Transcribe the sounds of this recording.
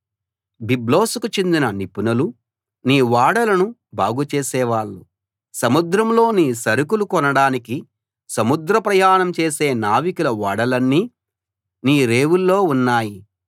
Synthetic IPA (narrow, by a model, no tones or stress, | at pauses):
biblo̞ːsukut͡ʃend̪inɐnipunɐlu | niːʋaːɽɐlɐnubʱaːɡut͡ʃeːsɛːʋaːɭːu | sɐmud̪ɾɐmlo̞ːniːsɐɾukulukɔnɐɽaːniki | sɐmud̪ɾɐpɾɐjaːɳɐmt͡ʃe̞ːse̞ːnaːʋikulɐʋaːɽɐlɐnːiː | niːɾe̞ːwulːo̞ːunːaːji